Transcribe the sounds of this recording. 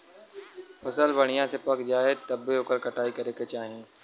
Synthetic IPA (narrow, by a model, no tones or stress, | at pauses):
pɐsəlbɐɽ̃ijãsepɐkd͡ʒaːet̪ɐbːeɦoːkəɾkɐʈaːikɐɾeket͡ʃaːɦiẽː